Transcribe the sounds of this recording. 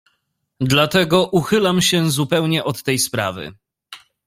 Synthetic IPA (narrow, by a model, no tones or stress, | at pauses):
d̪lat̪ɛɡɔʔuxɘlamɕɛzupɛwɲɛʔɔt̪ːɛjspɾa̰vɘ̰